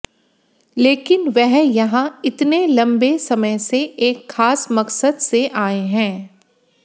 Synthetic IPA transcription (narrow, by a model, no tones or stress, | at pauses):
leːkɪnʋɛɦjɐɦãɪt̪nelɐ̃mbesɐməjseʔeːkxaːsmɐksəd̪seʔaːeɦɛ̃ː